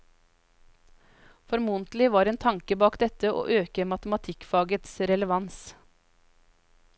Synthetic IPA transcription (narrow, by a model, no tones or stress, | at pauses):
fɔɾmuːnt̪lɪʋɑːɾeːnt̪ʰɑŋkəbɑːkd̪ɛt̪əʔo̰ːʔøːkəmɑt̪əmɑt̪ʰɪkfɑːɡət̪sɾɛləʋɑns